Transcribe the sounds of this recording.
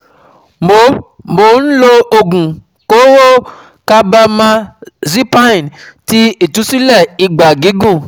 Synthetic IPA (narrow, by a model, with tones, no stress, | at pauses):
mo˨ | mo˨n̩˦lo˦o˨ɡũ˨ | ko˦wo˦ | ka˦bɛ˦˧mã˧zi˦pa˦˨nti˦e˨t̪u˨˦si˦lɛ˦˨i˨ɡ͡ba˨ɡi˨˦ɡũ˦˨